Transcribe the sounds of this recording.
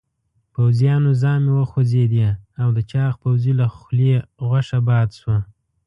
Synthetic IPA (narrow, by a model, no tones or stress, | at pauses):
pawzjɑnozɑmewəxozed̪eawd̪ət͡ʃɑxpawzilaxleɣwaʂabɑd̪ʃwa